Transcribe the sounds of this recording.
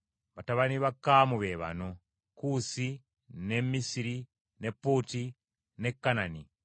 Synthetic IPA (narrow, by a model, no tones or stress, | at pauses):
βataβaniβakamuβeβa̰no | kusi | nemisiɾi | nepːuti | nekːanani